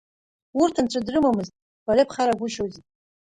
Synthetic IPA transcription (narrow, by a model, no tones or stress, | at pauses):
urtʰanʈ͡ʂʷʰʼadrɨmamɨztʼ | b̥aɾepʰχaɾaɡʷʊʃozitʼ